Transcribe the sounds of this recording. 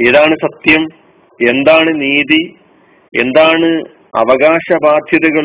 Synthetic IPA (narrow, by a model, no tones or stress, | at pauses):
iðaːɳɨsɐt̪jɐm | e̞nd̪aːɳɨniːði | e̞̰nd̪aːɳɨ | ɐ̰ʋɐɣaːɕɐbʱaːd̪ʱjɐðɐɣɐɭ